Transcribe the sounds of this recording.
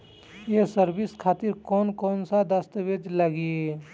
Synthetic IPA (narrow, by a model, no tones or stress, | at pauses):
jesəɾbɪskʰaːt̪ɪɾkɔːnkɔːnsad̪əst̪əʋeːd͡ʒləɡie